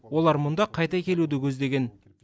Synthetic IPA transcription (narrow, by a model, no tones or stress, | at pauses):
wo̞lˠɑɾmʊnd̪ɑqʰɑjt̪ɑkʲʰe̞lud̪ɪkʲʰɵzd̪e̞ɡʲe̞n